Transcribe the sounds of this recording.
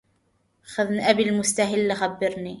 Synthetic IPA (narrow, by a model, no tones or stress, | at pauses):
xaðnʔabilmʊst̪aɦɪlːɪxabːɪɾniː